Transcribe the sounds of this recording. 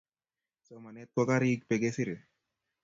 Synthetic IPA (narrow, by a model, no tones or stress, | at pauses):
somɐnet̪̚kɔkaɾiːk̚peɡesiɾe